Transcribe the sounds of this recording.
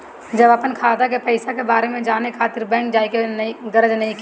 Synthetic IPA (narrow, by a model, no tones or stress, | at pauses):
d͡ʒɐbəpənkʰaːd̪akepəɪsakebaːɾemẽd͡ʒaːnekʰaːt̪ɪɾbɛ̃ːŋkd͡ʒaːikenĩɡɐɾəd͡ʒnɐɦĩk